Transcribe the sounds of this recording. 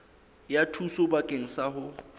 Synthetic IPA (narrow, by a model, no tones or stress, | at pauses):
jatʰusʊbakʼeŋ̩saɦʊ